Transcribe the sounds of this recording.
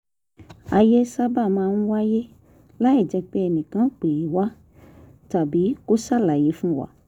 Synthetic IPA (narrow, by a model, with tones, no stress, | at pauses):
a˧je˦sa˦ba˦˨mãː˧n̩˦wa˦je˦ | la˦i˦˨d͡ʒɛ˧k͡pe˦ɛ˧nĩ˨kã˨˦k͡pe˨i˨wa˦ | ta˨bi˨˦ko˦sa˦˨la˨je˨˦fũ˦wa̰˦˨